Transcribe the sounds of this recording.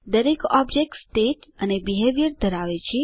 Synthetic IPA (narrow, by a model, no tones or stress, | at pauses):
d̪əɾekɔbd͡ʒek̚ʈsʈeʈənebiɦeʋjəɾd̪ʱəɾaʋet͡ʃʰi